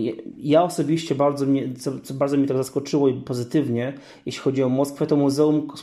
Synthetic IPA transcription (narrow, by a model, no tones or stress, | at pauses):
jaɔsɔbʲiɕt͡ɕɛbaɾd̪zɔmɲɛt̪sɔt̪sɔbaɾd̪ɔmʲɲɛt̪aɡzaskɔt͡ʂɘwɔipɔzɘt̪ɘvɲɛ | jɛɕlʲixɔd͡ʑiɔmɔskfɛt̪ɔmuzɛum